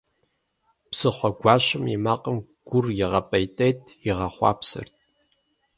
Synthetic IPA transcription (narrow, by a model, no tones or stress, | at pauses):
psɨχʷɔɡʷɑːɕɨmimaːqʼəmɡ̥ʷʊrjɪʁɐpʼɐjtʼeːtʰʼɪʁɐχʷɑ̰ːpsɨ̰rt̚ʼʰ